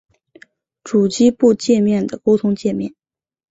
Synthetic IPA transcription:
ʈ͡ʂu˨˩t͡ɕi˥pu˥˧t͡ɕjɛ˥˧mjɛ˥˩nd̪ə˩ko˥ʊt̪ʰʊ˧˥ŋt͡ɕjɛ˥˧mjɛ˥˩n

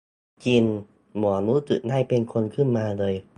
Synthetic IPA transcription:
t͡ɕi˧n | mɔ˨˩˦mu˧˦˥t̪ɯ̰˨˩naː˥˩jpe˧nkʰo˧nkʰɯ˥˩nmaː˧lɤː˧j

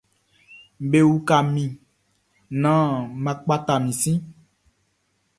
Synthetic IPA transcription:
be˦wu˦ka˨mĩ˨ | nã˦mã˨k͡pa˦t̪a˨mĩ˨sĩ˦

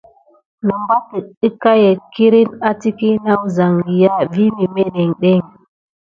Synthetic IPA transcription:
nə˨mba˦tə˨ɗə˦ka˦je˨ki˦ɾi˦na˦ti˦ki˦na˦wza˨ŋɡi˨ja˦vi˦ni˨me˦ne˨ŋɗe˦˨ŋ

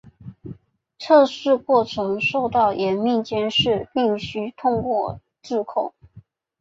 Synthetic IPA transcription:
ʈ͡ʂʰɤ˥˧ʂɻ̩˥˧kwɔ˥˩ʈ͡ʂʰɤ˧˥ŋʂo˥˧ʊt̪ɑ˥˩ʊjɛ˧˥nmi˥˩nt͡ɕjɛ˥nʂɻ̩˥˧pi˥˩ŋɕy˥t̪ʰʊ˥˧ŋkwɔ˥˧ | ʈ͡ʂɻ̩˥˧kʰʊ˥˩ŋ

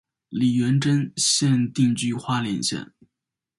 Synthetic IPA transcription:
li˨˩ɥɛ˧˥nʈ͡ʂə˥nɕjɛ˥˧nt̪i˥˧ŋt͡ɕy˥˧xwa˥ljɛ˨˩nɕjɛ̰˥˩n

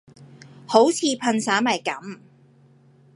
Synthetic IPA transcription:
ho˨˥wt͡sʰiː˨˧pʰɐ˧nsaː˨˥mɐ˨jkɐ˨˥m

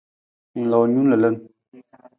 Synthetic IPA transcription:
ŋ̩˨lɔ˨ɲu˦nlə˨lə˦n

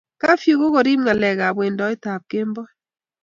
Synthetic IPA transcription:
ka˦fju˨ɣo˦kɔ˨ɾi˦mŋa˨lɛ˨ɣa˨bwe˨ndɔ˨˦ɪ˦ta˨p̚ke˦mbɔ˦

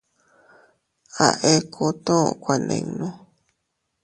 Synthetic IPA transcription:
a̰˨ʔe˧˦kʰo˧t̪õ˦˨kʷa˨nḛ̃˧˨˧nõ˦

